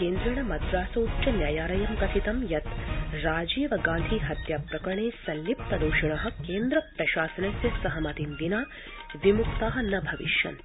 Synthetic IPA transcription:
keːnd̪ɾɐɳɐmɐd̪ɾaːsoːutːt͡ʃɐnjaːjaːɾɐjɐmkɐt̪ʰit̪ɐmjɐt̪ɾaːd͡ʒiːʋɐɡãːnd̪ʱiːɦɐt̪jaːpɾɐkɾɐɳeːsɐnlip̚t̪ɐd̪uːʃɐɳɐɦɐ̆keːnd̪ɾɐpɾɐʃaːsɐnɐsjɐsɐɦɐmɐt̪ind̪inaː | ʋimukt̪aːɦɐnɐbʱɐʋḭʃjɐ̰n

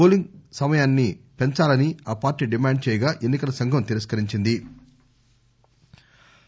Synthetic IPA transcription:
oːliŋɡsɐmɐjaːnːipe̞ɲt͡ʃaːlɐniaːpaːɾʈːiːɖimaːɳɖ̚t͡ʃɛːjɐɡaːʔe̞nːikɐlɐsɐŋɡʱɐmt̪iɾɐskɐɾiɲt͡ʃind̪i

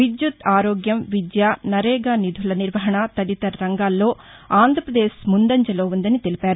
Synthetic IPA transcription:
ʋid̪jut̪aːɾoːɡjɐmʋid̪jaːnɐɾɛːɡaːnid̪ʱulɐniɾʋɐɦɐɳɐt̪ɐlit̪ɐɾɾɐŋɡaːlːo̞ː | aːnd̪ʱɾɐpɾɐd̪eːʃmund̪ɐɲt͡ʃɐlo̞ːund̪ɐnit̪e̞lipaːɾu

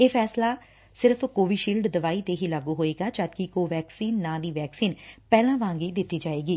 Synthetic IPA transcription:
eːpʰɛːslaː | sɪɾəpʰkoːʋiːʃiːlɖd̪əʋaːiːt̪eːɦiːlaːɡuːɦoːeːɡaːt͡ʃaːd̪kikoːʋɛːksiːnːãːd̪iːʋɛːksiːnpɛːlãːʋãːŋɡiːd̪ɪt̪ːiːd͡ʒaːeːɡiː

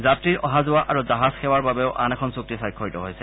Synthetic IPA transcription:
zatɹiɹʔɔɦazʊwaʔaɹuzaɦazxɛwaɹbabɛʊʔʔanɛkʰɔnsuk̚tisajkʰːoɹitɔɦojsɛ

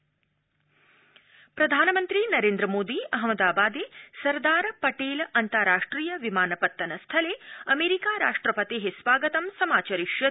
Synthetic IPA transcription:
pɾɐd̪ʱaːnɐmɐnt̪ɾinɐɾeːnd̪ɾɐmoːd̪iɐɦmɐd̪aːbaːd̪esɐɾd̪aːɾpɐʈeːlɐnt̪ɐɾaːʂʈɾiːjɐʋimaːnɐpɐt̪ːɐnɐst̪ʰɐleɐmeːɾikaːɾaːʂʈɾɐpɐt̪eɦesʋaːɡɐt̪ɐmsɐmaːt͡ʃɐɾiʃjɐ

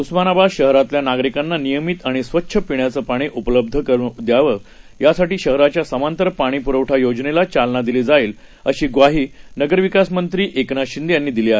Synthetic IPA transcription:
usmanabaɕəɦɾat̪ljanaɡɾikanːanijəmit̪aɽ̃isʋətːɕʰəpiɳjat͡səːpaɽ̃iːʔupələb̚d̪ʱəkəɾud̪jaʋə | jasaʈiːɕəɦɾat͡ɕjasəmant̪əɾpaɽ̃iːpuɾəʋʈʰajod͡ʑnelat͡ɕalnad̪iliːd͡zaiːl | əɕiːɡʋaɦiːnəɡəɾʋikasmənt̪ɾiːʔeknaɕind̪janːiːd̪iliːaɦe

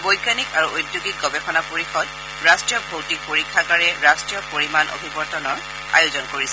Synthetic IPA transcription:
bojɡanikaɹuʔojdjuɡik̚ɡɔbɛpʰɔnapoɹixɔd | ɹastɹijɔbʱowtik̚poɹikʰːakaɹɛɹastɹijɔpoɹimanʔo̰bʱibɔɹtɔnɔɹ | a̰jʊzɔnkoɹisɛ

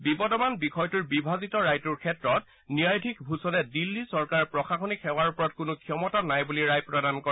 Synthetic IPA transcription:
bibɔdɔmanbixɔjtuɹbibʱazitɔɹajtuɹkʰɛtɹɔt̚ | niajtʰikbʱusɔlɛdilːisɔɹkaɹpɹɔxaxonikʰɛwaɹupɔɹɔat̚kʊnʊkʰijɔmɔtanajbuliɹajpɹɔdankɔa

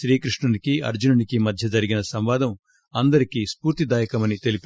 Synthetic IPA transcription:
ʃɾiːkɾiʂɳɐnikiɐ̰ɾd͡ʒunɐnikimɐd̪ʱjɐd͡ʒɐɾiɡinɐsɐmʋaːd̪ɐm | ɐnd̪ɐɾikispuːɾt̪id̪aːjɐkɐmɐnit̪e̞lip

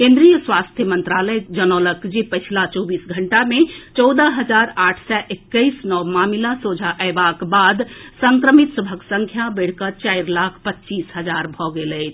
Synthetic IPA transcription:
kẽnd̪ɾijəswast̪ʰjəmənt̪ɾaləjd͡ʒənɔləkd͡ʒipət͡ʃʰlat͡ʃɔbiːsɡʱəɳʈamẽt͡ʃɔwd̪əɦəd͡ʒaɾaːʈʰsɛʔekːəɪsnɔmamilasod͡ʒʱaʔəbakbad̪səŋkɾəmit̪səbʱəksəŋkʰjabəɽ̤kət͡ʃaɪɾlakʰpətːt͡ʃiːsɦəd͡ʒaɾbʱɔɡeləɪt͡ʃʰ

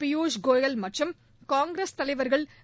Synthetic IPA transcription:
pɪjuːd͡ʒɡoːjɐlmɐʈrɐm | kaːŋɡɾest̪ɐɭɐɪʋɐɾɣɐɭ

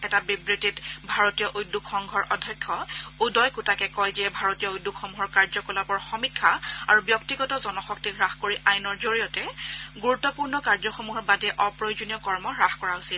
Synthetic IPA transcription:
ɛtabibɹititbʱaɹotijɔʔujdːukxɔŋɡʱɔɹʔɔdʱɔkʰːɔudɔjkutakɛkɔjzɛbʱaɹotijɔujdːukxomuɦɔɹkaɹzɔkɔlabɔɹxɔmikʰːaa̰ɹubjɔktiɡɔtɔzɔnɔxɔk̚tiɹaxkoɹiʔajnɔɹzoɹijɔtɛɡuɹutːɔpuɹnɔkaɹzɔxomuɦɔɹbadɛʔɔpɹojzunijɔkɔɹmɔɹaxkɔɹaɦosil

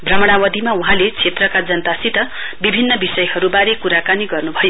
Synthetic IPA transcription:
brʌmʌɽ̃awʌd̪ʱimauɦãlet͡sʰet̪rʌkad͡zʌnt̪asit̪ʌ | bibʱinːʌbisʌjhʌɾubaɾekuɾakaniɡʌrnubʱʌjo

